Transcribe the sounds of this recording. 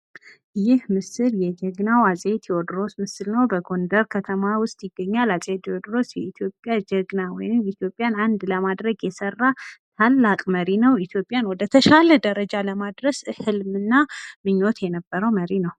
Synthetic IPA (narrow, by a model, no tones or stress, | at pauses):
jɪhmɨsɨljɛd͡ʒɛɡnawasʼet̪ʰjɛwɔd̪ɾo̞smɨsɨlnəwbəɡo̞nd̪əɾkʰət̪ʰəmawʊst̪ʼjɪɡːəɲːalasʼet̪iwod̪ɾo̞sjɛit̪ʰjo̞pʼjad͡ʒɛɡnawɔjnɨmit̪ʰjo̞pʼːjanand̪ləmad̪ɾəɡjɛsərːat̪ʰalːakʼməɾinəwit̪ʰjo̞pʼːjanwɔd̪ət̪ʰəʃaləd̪əɾəd͡ʒaləmad̪ɾəshɨlmɨnːamɨɲːot̪jɛnəbːəɾəwməɾinəw